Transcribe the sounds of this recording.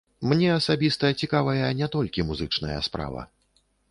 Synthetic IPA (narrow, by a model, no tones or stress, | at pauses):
mnʲɛɐsabʲist̪ɐt͡sʲikavɐjɐnʲɛt̪ɔlʲkʲimuzɨt͡ʂnɐjɐ̰spɾa̰vɐ̰